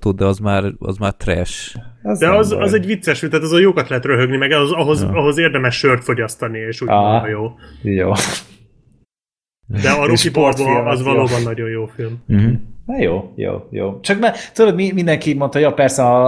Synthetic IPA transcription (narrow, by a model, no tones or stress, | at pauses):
t̪ud̪d̪ɛɒzmaːrɒ̰zmaːrt̪rɛ̰ʃzd̪ɛɒzɒzɛɟvit̪sːɛʃit̪aːt̪ɒzojoːkɒt̪lɛɦɛt̪røɦøɡnimɛɡɛɦozɒɦo̞zɒɦo̞zeːrd̪ɛmɛʃːørt̪fo̞ɟɒst̪ɒnieːʃuʔjoːjo̰ː | d̪ɛɒɾokiporboːzvɒloːbɒnːɒɟo̞jjoːfilm̩ɦ̩nɛjo̰ːjo̰ːjo̰ːt͡ʃɒkmat̪ud̪od̪mimind̪ɛŋkimo̞nt̪ɦjopɛrsɛɒ